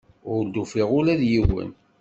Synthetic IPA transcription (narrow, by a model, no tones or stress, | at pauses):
ʊɾld̪ufiʁʊlæðjiwə̰n